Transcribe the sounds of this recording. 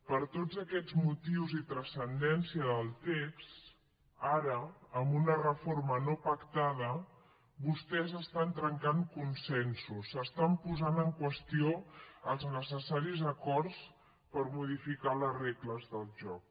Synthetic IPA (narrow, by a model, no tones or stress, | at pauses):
pəɾt̪od͡zəkɛd͡zmut̪iwzit̪ɾəsənd̪ɛnsiəðəlˠt̪ekst̪ | aɾəːmbunərəfoɾmənopəkt̪aðə | βust̪ɛzəst̪ant̪ɾəŋkaŋkunsɛnsusəst̪ampuzanəŋkwəst̪ioəlˠznəsəsaɾizəkɔɾs | pəɾmuðifikaləzrekləzðəlˠʒɔk